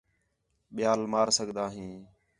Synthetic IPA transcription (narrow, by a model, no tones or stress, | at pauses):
ɓɪjaːlmaːɾsəɡʱd̪aːɦĩː